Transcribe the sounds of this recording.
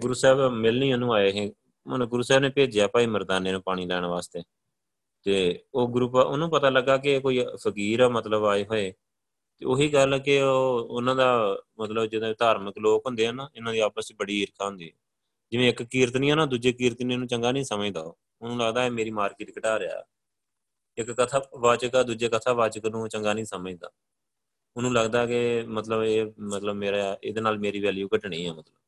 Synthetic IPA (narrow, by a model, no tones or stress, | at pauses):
ɡʊɾuːsɛːbmɪlnĩːonũːaːeːɦɛ̃ː | mənɡʊɾuːsɛːbnẽːpeːd͡ʒjaːpaːiːməɾd̪aːnːeːnãːpaːɽ̃iːlɛːɳ̃ʋaːst̪eː | t̪eːoːɡʊɾuːpːʊnũːpət̪aːləɡːaːk̬ɪkoːiːpʰəkiːɾmət̪ləbaːeːɦoːeː | t̪eːoːɦiːɡəlkɪoːʊnãːd̪aːmət̪ləbd͡ʒɪd̪õːd̪aːɾməkloːkɦʊ̃nd̪eːɦənaːɪnãːd̪iːaːpəst͡ʃbəɽiːɪɾkʰaːɦʊ̃nd̪iːɦɛː | d͡ʒɪʋẽːɪkkiːɾət̪nĩːɛːnaːd̪uːd͡ʒeːkiːɾət̪nẽːnũːt͡ʃəŋɡaːnĩːsəməd͡ʒd̪a̰ːo | ʊnũːləɡd̪aːeːmeːɾiːmaːɾkɪːʈkəʈaːɾea̰ː | ɪkːət̪ʰaːʋaːt͡ʃəkaːd̪uːd͡ʒeːkət̪ʰaːʋaːt͡ʃəknũːt͡ʃəŋɡaːnĩːsəməd͡ʒd̪a̰ː | ʊnũːləɡd̪aːkɪmət̪ləbeːmət̪ləbmeːɾaed̪eːnaːlmeːɾiːʋɛːljuːkəʈɳĩːɦɛːmət̪ləb